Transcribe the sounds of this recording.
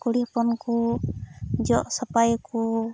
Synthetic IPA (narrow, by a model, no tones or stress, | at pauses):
kuɽipɔnku | d͡ʒɔʔsapajku